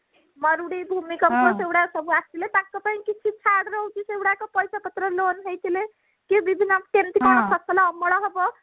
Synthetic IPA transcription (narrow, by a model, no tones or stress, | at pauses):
məɾuɽibʱumikəmposewɽaksəbʱuast̪ʰilet̪akːəpaĩkit͡ʃʰit͡ʃʰaɽɾəɦt͡ʃisewɽakepəjsapət̪ɾəlonɦejt̪ʰile | kebibʱinːəʈent̪ikɔnpʰəsəlaəmːəɽɔɦɔbɔ